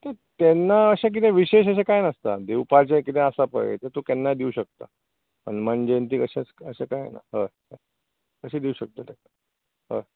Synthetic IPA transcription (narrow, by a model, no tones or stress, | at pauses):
t̪et̪ɛnːaəɕak̬it̪ẽʋiɕeɕəɕ̬ẽkajnəst̪ad̪ewpat͡ɕẽkit̪ẽəsapə̰jḛt̪əɾt̪ok̪ɛnːad̪iuɕək̚t̪a̰ | pəɳm̤əɳd͡ʑent̪iːkəɕet͡səɕekajḛna̰ɦə | kəɕiːd̪iuɕək̚t̪ət̪ɛa | ɦə